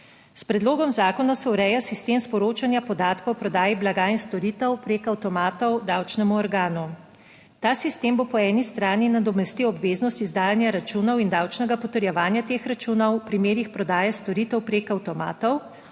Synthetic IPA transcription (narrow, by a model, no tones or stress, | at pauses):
spɾɛd̪loːɡɔmzaːkɔnɔsɛuɾɛjasist̪eːmspɔɾoːt͡ʃanjapɔd̪aːt̪kɔwpɾɔd̪aːjiblaɡainst̪ɔɾiːt̪ɛwpɾeːkawt̪ɔmaːt̪ɔwd̪awt͡ʃnɛmuɔɾɡaːnu | t̪aːsist̪eːmbopɔɛːnist̪ɾaːninad̪ɔmɛst̪iwɔbʋeːznɔst̪izd̪aːjanjaɾat͡ʃuːnɔwind̪awt͡ʃnɛɡapɔt̪əɾjɛʋaːnjat̪eːxɾat͡ʃuːnɔwpɾimeːɾixpɾɔd̪aːjɛst̪ɔɾit̪ɛwpɾekawt̪ɔma̰ːt̪ɔw